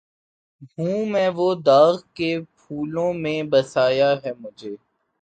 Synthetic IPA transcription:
ɦũːmɛ̃ːʋod̪aːɣkepʰuːlõmẽbɐsaːjaɦɛmʊd͡ʒʱeː

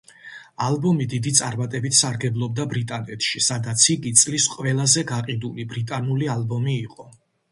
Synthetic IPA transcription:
alˠbɔmid̪id̪it̪sʼaɾmat̪ʼɛbit̪ʰsaɾɡɛblˠɔb̚d̪abɾit̪ʼanɛt̪ʰʃisad̪at̪sʰiɡit̪sʼlisqʼwvɛlˠazɛɡaqʼid̪ulibɾit̪ʼanulialˠbɔmiːqʼɔ

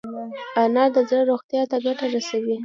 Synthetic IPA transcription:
anɑd̪əzɽəɾoxt̪jɑt̪aɡaʈaɾasawi

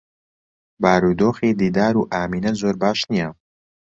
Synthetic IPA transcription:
baːɾuːd̪oːxiːd̪iːd̪aːɾuːʔaːmiːnɐzoːɾbaːʃnija

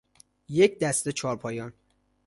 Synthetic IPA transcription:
je̞cʰd̪æst̪et͡ʃʰɒːɾpʰɒːjɒn

